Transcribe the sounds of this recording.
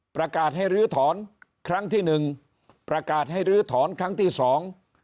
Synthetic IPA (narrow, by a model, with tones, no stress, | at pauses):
pɾa˧kaː˨˩t̪̚ha˥˩jɾɯː˦˥t̪ʰɔː˩˦nkʰɾa˦˥˩ŋt̪ʰiː˥˩nɯ˨˩ŋ | pɾa˧kaː˨˩t̪̚ha˥˩jɾɯː˦˥t̪ʰɔː˩˦nkʰɾa˦˥ŋt̪ʰiː˥˩sɔː˩˦ŋ